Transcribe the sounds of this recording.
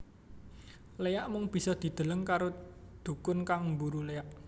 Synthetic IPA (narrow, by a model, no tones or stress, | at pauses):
lejaʔmʊŋb̥i̤sɔd̪̥i̤d̪̥ə̤ləŋkaɾod̪̥ṳkʊnkaŋmbuɾulejaʔ